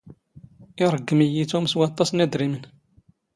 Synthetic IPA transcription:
ɪɾˤəɡːəmijit͡sumswɑt̪ˤːɑsnæd̪ɾimən

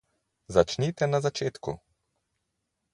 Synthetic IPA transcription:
zat͡ʃnit̪ɛnazat͡ʃeːt̪kṵ

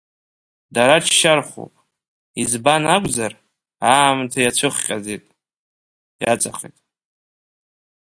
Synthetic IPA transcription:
daɾaʈ͡ʂʰʃarχʷo̰pʼ | izbanakʷʼzar | aːmtʰajat͡ɕʷʰɨχʲqʲʼazitʼ | ja̰t͡sʼaχʲḭtʼ

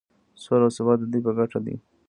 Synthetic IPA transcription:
solasɪbɑt̪̚d̪əd̪ujpəɡaʈad̪ḭ

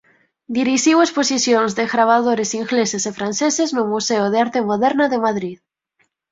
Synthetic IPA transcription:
d̪iɾiʃiwesposisjonzðeɣɾaβ̞aðoɾesiŋɣlesesefɾan̟θeseznʊmuseoðeaɾt̪emoðɛɾnaðemaðɾið

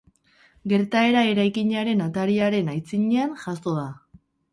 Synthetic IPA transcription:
ɡe̞ɾt̪ae̞ɾae̞ɾajkiɲaɾe̞nat̪aɾiaɾe̞najt͡siɲeanʝaso̞ða

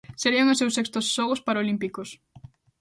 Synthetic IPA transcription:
seɾiɐŋosːewsːekst̪osːɔɣospaɾaolimpikos

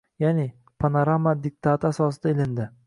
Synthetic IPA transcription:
janɪ | pʰanaɾamːad̪ɪk̚t̪ʰat̪asɒsɪd̪aelɪnd̪ɪ

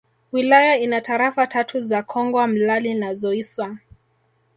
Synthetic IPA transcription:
wilajainataɾafatʰatʰuzakʰɔŋɡwam̩lalinazɔiswa

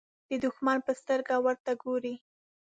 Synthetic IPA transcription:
d̪̥əd̪ʊxmanpəst̪əɾɡawəɾt̪aɡoɾi

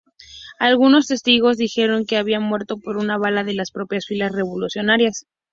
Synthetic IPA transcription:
alɣuno̞st̪e̞st̪iɣ̞o̞zðixe̞ɾo̞ŋke̞aβianmwe̞ɾt̪o̞po̞ɾunaβ̞alaðe̞laspɾo̞pjasfilasre̞βolusjo̞naɾjas

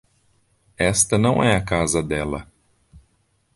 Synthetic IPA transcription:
ɛst̪ɐnɐ̃w̃ɛɐkazɐd̪ɛlɐ̰

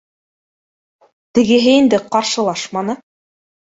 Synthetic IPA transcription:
t̪ɘ̆ɡɘ̆ɦɘind̪ɘqɑɾʃɤ̆lˠɑʃmɑnɤ

